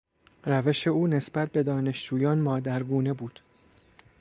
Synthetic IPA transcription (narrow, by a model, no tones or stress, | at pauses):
ɾæve̞ʃe̞uːne̞sbæt̪̚ʰbe̞d̪ɒːne̞ʃd͡ʒuːjɒːnmɒːd̪æɾɡuːne̞buːd̪̥